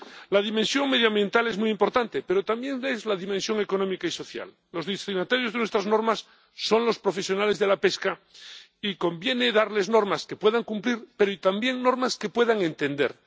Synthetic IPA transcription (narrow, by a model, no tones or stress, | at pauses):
laðimẽnsjo̞ŋme̞ðjambje̞nt̪ale̞zmujimpo̞ɾt̪ant̪e̞pe̞ɾo̞t̪ambje̞nlezlaðimẽnsjoŋe̞ko̞nõ̞mikaiso̞θja̰lːo̞zðisinat̪aɾjo̞zðe̞nwe̞st̪ɾazno̞ɾmasː | o̞nlo̞spɾo̞fe̞sjo̞nale̞zðe̞lape̞ska | iko̞mbje̞ne̞ðaɾle̞zno̞ɾmaske̞pwe̞ðaŋkumpliɾpe̞ɾoit̪ambje̞ŋno̞ɾmaske̞pwe̞ðaŋẽ̞nt̪e̞nd̪e̞̰ɾ